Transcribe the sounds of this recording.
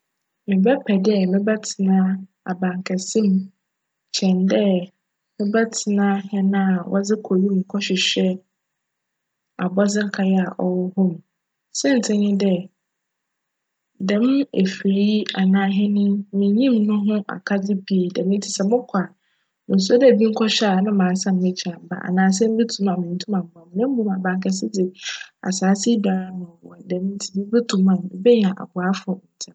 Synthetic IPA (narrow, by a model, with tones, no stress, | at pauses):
mɪ̃˨bɛ˦pʰɛ˨dɛ˦mɪ̃˦bɛ˦tʰɪ˨nã˦ | a˨bã˨ŋ˨kʰɛ˨sɪ̃˦m | t͡ɕʰɛ̃˨ndɛ˦ | mɪ̃˦bɛ˦tʰɪ˨nã˦hɛ˦nã˦˨wʔɔ˦d͡zɪ˦kʰo˨ɾi˦m̩˨kʰɔ˦ɕᶣɪ˨ɕᶣɛ˦ | a˨bɔ˦d͡zɪ̃˦ŋ̩˦kʰa˨jɛ˦a˨ʔɔ˨wɔ˦hʊ̃˦m˨ | sɪ̃˦n̩˨tʰɪ̃˦ɲɪ̃˦dɛ˦ | dɛ̃˨m˦e˨fi˨ɾi˦a˨nãː˦ɦɪ̃˦nɪ̃˦mɪ̃˨˦ɲĩ˦mnʊ̃˦ɦʊ̃˦ʔa̰˨kʰa˦d͡zɪ˦pʰi˦˨dɛ̃˨m˦n̩˦tʰi˦sɛ˨mʊ̃˦kʷʰa˨ | mɪ̃˨s̬ɔ˦dɛ˦˨bĩ˦ŋ̩˦kʰɔ˦ɕᶣa˦˨nʊ̃˦mãː˨˦sã˦˨mː˨˦ɪ̃˦t͡ɕʰa˨m˨ba̰˨ʔa̰˨nãː˨s̬ɛ̃˦m˦bɛ˦tʰũ˨˦mã˨mɪ̃˨n̩˨˦tʰũ˦mã˨m̩˨mã˨m˨nɪ̃˦m̩˦bũ˦mã˨bã˨ŋ˨kʰɛ˨sɪ˦d͡zɪ˨a̰˨saː˨˦si˦da˨˦nʊ̃˨wɔ̰˨dɛ̃˨˦m˦n̩˦tʰi˦ɪ˦bɛ˦tʰũ˨mã˨n˨bɛ˦ɲã˨ʔa̰˨bʊ˨a˦fʊ˨ɔ˨n̩˨tʰɛ̃˨